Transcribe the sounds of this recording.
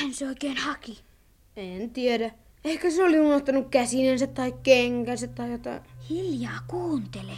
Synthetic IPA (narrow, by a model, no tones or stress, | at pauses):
hænseoikeːnhɑki | ent̪ieɾæ | ehkæseoliunoht̪ɑnukkæsinensæt̪t̪ɑikkeŋkænsæt̪t̪ɑijot̪ɑ̰ihiljɑːkuːnt̪ele